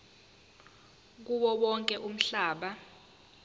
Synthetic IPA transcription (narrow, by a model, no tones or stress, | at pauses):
k̬uɓɔɓɔŋkʼɛʔum̩ɬaːɓa